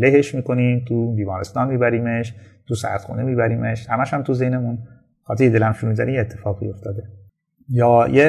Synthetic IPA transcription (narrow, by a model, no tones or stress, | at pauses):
leɦeʃmiːko̞niːmt̪ʰubiːmɒːɾest̪ɒːnmiːbæɾiːmeʃt̪ʰusæ̰χt̪xṵːnemiːbæɾiːmeʃhæmæʃhæmt̪ʰuze̞jnemun | xɒːt̪ʰejed̪e̞læmʃuɾumizæɾiːmjeːt̪ʰːe̞fɒːɣḭjo̞ft̪ɒːd̪e | jɒːje